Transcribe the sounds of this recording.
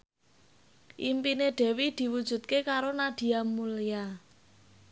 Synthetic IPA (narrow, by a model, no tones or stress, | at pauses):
ʔimpineɖ̪̥ɛ̤wid̪̥i̤wud̥ʒ̥ṳt̪̚kekaɾonad̪̥i̤amulia